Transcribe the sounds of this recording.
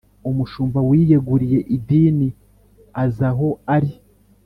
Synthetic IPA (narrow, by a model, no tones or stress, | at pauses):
umuʃuːmvawije̞ɡuɾije̞ʔidiːni | azaɦo̞aɾi